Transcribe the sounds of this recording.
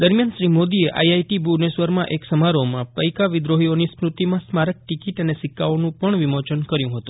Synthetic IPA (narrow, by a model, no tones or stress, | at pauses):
d̪əɾmjanʃɾimod̪ieʔa̰iajʈibunesʋəɾmãʔeksəmaɾomãpəjkaʋɪd̪ɾoɦionispɾut̪imãsmaɾək̚ʈikiʈənesɪkːaonũpəɳʋimot͡ʃənkəɾjũɦət̪ũ